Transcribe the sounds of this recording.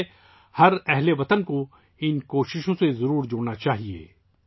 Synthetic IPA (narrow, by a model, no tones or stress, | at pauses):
hɐɾɛɦleʋɐt̪ənko | ɪnkoːʃɪʃõsezɐɾuːɾd͡ʒoːɽnat͡ʃaːɦiḛː